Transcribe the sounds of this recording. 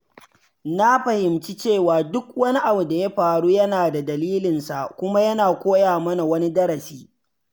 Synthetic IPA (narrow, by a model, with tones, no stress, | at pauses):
na˦ɸɐ˨hɪ˨mt͡ʃi˦t͡ʃeː˦˨waː˨dʊ˦k̚wɐ˦ni˦ʔa˨bu˨da˨jɐ˦ɸaː˨ɽuː˦jɐ˦naː˨da˨dɐ˨liː˦lɪ˨nsa˨ʔkʷʊ˦ma˦jɐ˦naː˨kʷoː˦jaː˨mɐ˦na˨wɐ˦ni˦dɐ˦ɾɐ˨siː˦